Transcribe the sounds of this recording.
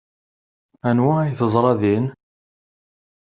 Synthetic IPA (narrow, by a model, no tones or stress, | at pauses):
ænwææjθəzˤɾˤɑðin